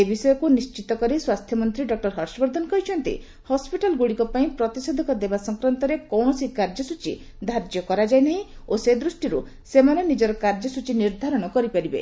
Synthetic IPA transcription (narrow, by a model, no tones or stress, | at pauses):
ebisɔjɔkunist͡ʃit̪ɔkɔɾiswast̪ʰjɔmɔnt̪ɾiɖɔk̚ʈɔɾɦɔɾsɔbɔɾd̪ʱɔnɔkɔɦit͡ʃʰɔnt̪ḭ | hɔspiʈalɡuɽikɔpaĩpɾɔt̪ised̪ʱɔkɔd̪ebasɔŋkɾɔnt̪ɔɾekɔwɳɔsikaɾd͡ʒɔsut͡ʃḭ | d̪ʱaɾd͡ʒjɔkɔɾad͡ʒajnaɦĩosed̪ɾusʈiɾu | semanenid͡ʒɔɾɔkaɾd͡ʒɔsut͡ʃiniɾd̪ʱaɾɔɽ̃ɔkɔɾipaɾibḛ